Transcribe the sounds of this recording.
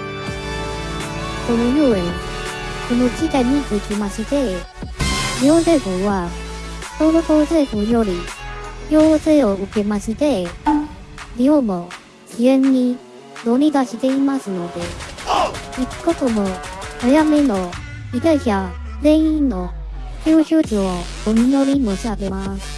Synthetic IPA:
sonojɯe | konot͡ɕit̪aɲ̟ioikʲimaɕit̪e̞ | ɾʲioːzekoβa | soːɾot̪oːseːhɯjoɾʲiçoːseːoɯ̟ke̞maɕid̪e | ɾʲiomo̞ | t͡ɕiẽ̞ɲ̟ːi | d̪o̞ɲid̪aɕit̪e̞imasɨno̞d̪e̞ | iki̥kːot̪omoojameno̞ | id̪aiça | ɾẽ̞ɰ̃ĩnnːo̞ | kʲɯːɕɨːt͡ɕio | omino̞ɾʲimoɕiabemasɨ̥

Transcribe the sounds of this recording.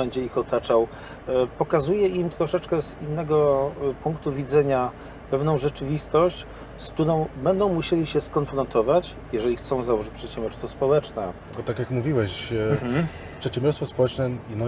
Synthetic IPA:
bɛɲd͡ʑɛixɔt̪at͡ʂaw | pɔkazujɛimt̪ɾɔʂɛt͡ʂkɛzinːɛɡɔpuŋkt̪uvʲid̪zɛɲa | pɛvnɔ̃w̃ʐɛt͡ʂɘvʲist̪ɔɕt͡ɕ | skt̪uɾɔ̃w̃bɛnd̪ɔ̃w̃muɕelʲiɕɛskɔnfɾɔnt̪ɔvat͡ɕ | jɛʐɛlʲixt̪sɔ̃w̃zawɔʐɘt͡ɕʲpʂɛt̪ɕɛmbʲɔɾst̪fɔspɔwɛt͡ʂnɛ̰ | ɔt̪akʲjakmuvʲiwɛɕ | pʂɛt̪ɕɛ̃mbʲɔɾst̪fɔspɔwɛt͡ʂnɛnɔ

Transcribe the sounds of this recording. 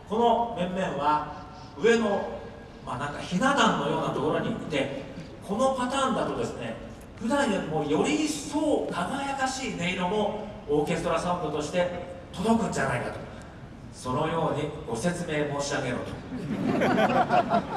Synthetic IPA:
ko̞no̞mẽ̞mːẽ̞ɰ̃βa | ɯ̟e̞no̞ | maːnãŋkaçinad̪ãnːo̞jo̞ːnat̪o̞ko̞ɾo̞ɲ̟it̪ːe̞ | kʰo̞no̞pat̪aːnd̪at̪o̞d̪e̞sɨne̞ | ɸɯ̟d̪ãɰ̃joɾʲimo̞ːjo̞ɾʲiso̞ːkʰaŋajakaɕiːne̞iɾomo̞oːkʲe̞st̪oɾasõmpːɯ̟t̪o̞ɕi̥t̪e̞t̪o̞d̪o̞kɯ̟̃ɲd͡ʑanaikat̪o | so̞no̞jo̞ːɲ̟iɡ̥o̞se̞t͡sɨme̞ːmo̞ːɕiaɡe̞ɾo̰t̪o̥

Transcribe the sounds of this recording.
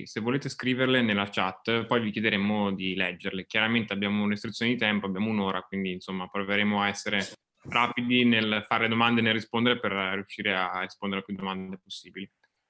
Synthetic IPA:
sevːoleːt̪eskɾiːverlenelːat͡ʃat̪ːpɔjvikjed̪eɾemod̪ilɛd͡ʒːeɾlekjaɾament̪eabːjaːmounaɾist̪ɾit̪sjoned̪it̪ɛmpoabːjaːmounoːɾakwind̪iːnsomːapɾoveɾemoaɛsːeɾe | rʔaːpid̪inelfaɾeled̪omand̪enelrispond̪eɾeperːijuʃːiːɾearːispond̪eɾepud̪omand̪eposːiːbili

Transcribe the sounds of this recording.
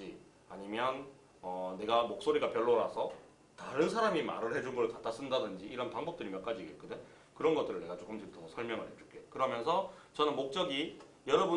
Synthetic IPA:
i | aɲimjʌn | ʌne̞ɡamok̚s͈oɾiɡapjʌɭːoɾasʰʌ | taɾɯnsʰaɾamima̰ɾɯɭhe̞d͡ʑunɡʌɭkat͈ʰas͈ɯndadɯnd͡ʑiːɾʌnpaŋbʌp̚t͈ɯɾimjʌnk͈ad͡ʑiekɯde̞ | kɯɾʌnɡʌt͈ɯɾɯɭne̞ɡat͡ɕ͈ok͈ɯmd͡ʑibutʰʌsʰʌsʰʌɭmjʌŋɯɭɦet͡ɕ͈u̥k͈ekɯɾʌmjʌnsʰʌt͡ɕʌnɯnmok̚t͡ɕ͈ʌɡi | jʌɾʌbu

